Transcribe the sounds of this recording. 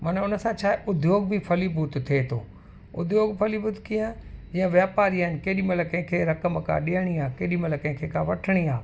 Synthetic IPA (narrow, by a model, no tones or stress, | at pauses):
mɐnʊnəsãt͡ɕʰaːɦeʔʊd̪ʱjoːɡ̚bipʰɐlibʱuːt̪t̪ʰːet̪ʰo̰ː | ʊd̪ʱjoːɡfʰɐlibʊt̪k̪ʰijãd͡ʑijə̃ʋjaːpaːɾiaɪnɪ̆keːɗĩmɐləkɐ̃ɦɪ̃kʰeːɾɐkəmkʰã̰ɗiəɽ̃iaːkeːɗĩmɐləkɐ̃ɦɪ̃kʰeːkʰãʋɐʈʰəɽ̃iaː